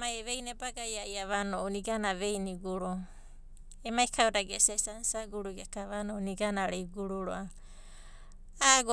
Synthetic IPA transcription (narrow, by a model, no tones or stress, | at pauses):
majeβejnebaɡajajaβanooniɡanaβejniɡuɾo | emaikʰawdaɡesasansaɡuɾuɡiakaβanoniɡanaɾejɡuɾuɾoa | aɡ